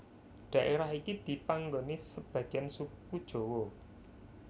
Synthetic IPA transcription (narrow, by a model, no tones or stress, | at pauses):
ɖ̥ä̤ʔeɾaɦikid̪̥i̤paŋɡonisəb̥ä̤ɡ̥iansukkud̥ʒ̥o̤wo